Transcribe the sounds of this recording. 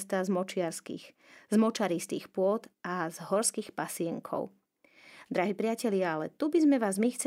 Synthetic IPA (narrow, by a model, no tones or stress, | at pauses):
st̪aːzmɔt͡ʃɪaɾskḭx | zmɔt͡ʃaɾist̪iːxpʊɔd̪ʔazɦɔɾskiːxpasɪɛŋkʰɔ̰ʊ | d̪ɾaɦiːpɾɪacɛʎɪaalɛ̰t̪ubizmɛʋaːzmixt͡sɛ